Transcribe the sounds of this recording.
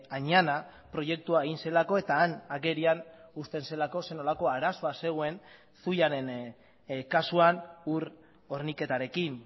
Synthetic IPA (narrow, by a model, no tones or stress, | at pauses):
aɲana | pɾo̞je̞k̚t̪uaeɣinse̞lako̞e̞t̪aːnaɣe̞ɾianust̪e̞nse̞lako̞se̞no̞lako̞aɾaso̞ase̞ɣ̞oe̞n | suʎaɾe̞n | kasuanuɾ | o̞ɾnike̞t̪aɾe̞kin